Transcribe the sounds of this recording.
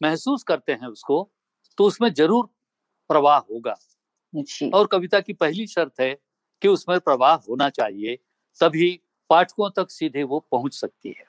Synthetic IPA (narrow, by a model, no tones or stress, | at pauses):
mɛɦsuːskɐɾt̪eɦɛ̃ʊsko | t̪oʊsmẽd͡ʒɐɾuːɾ | pɾɐʋaːɦɦoːɡa̰ː | ḭɔːɾkɐʋɪt̪akipɛɦliʃɐɾt̪ɦɛ | kiʊsmẽpɾɐʋaːɦɦoːnat͡ʃaːɦie | t̪ɐbʱi | paːʈʰkõt̪ɐksiːd̪ʱeʋopɐɦʊ̃t͡ʃsɐk̚t̪ḭɦɛː